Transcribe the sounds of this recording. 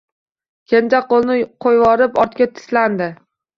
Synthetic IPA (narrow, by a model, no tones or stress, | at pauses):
kʲʰent͡ʃaqʰolˠnɪqʰojvɒɾɪpɒɾt̪kʲat̪ʰɪ̥sland̪ɪ